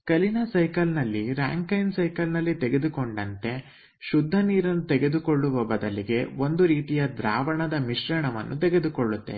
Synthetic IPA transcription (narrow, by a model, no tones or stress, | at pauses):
kɐlinɐsɐjkɐlnɐlːiɾa̰ːŋkɐjnsɐjkɐlnɐlːit̪eɡe̞d̪uko̞ɳɖɐnt̪e̞ | ʃud̪ʱːɐniːɾɐnːut̪ɛɡe̞d̪uko̞ɭːuʋɐbɐd̪ɐliɡe̞o̞nd̪uɾiːt̪ijɐd̪ɾaːʋɐɳɐd̪ɐmiʃɾɐɳɐʋɐ̰nːʔut̪eɡe̞d̪ukoɭːut̪ːe̞̰